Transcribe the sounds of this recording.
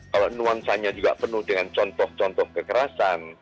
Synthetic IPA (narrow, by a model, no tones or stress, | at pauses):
kalonuansaɲad͡ʒuɡa̰ʔpənʊhdəŋant͡ʃɔnt̪ɔht͡ʃɔnt̪ɔhkəkəɾasan